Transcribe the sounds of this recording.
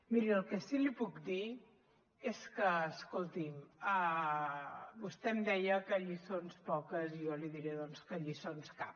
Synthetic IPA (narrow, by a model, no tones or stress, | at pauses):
miɾiəlˠkɛsilipukd̪i | eskəːskolˠt̪imə | bust̪ɛmd̪ɛjəkəʎisonspɔkəzijɔliðiɾeðɔnskəʎisonskap̚